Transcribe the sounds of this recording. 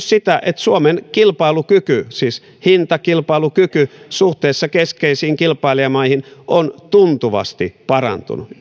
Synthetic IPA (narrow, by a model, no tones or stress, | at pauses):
ssit̪æʔet̪suomenkilpɑilukykysiːs | hint̪ɑkilpɑilukykysuht̪eːsːɑkeskeisiːŋkilpɑiliɑmɑihinʔont̪unt̪uʋɑ̰st̪ipɑrɑ̰nt̪ṵnu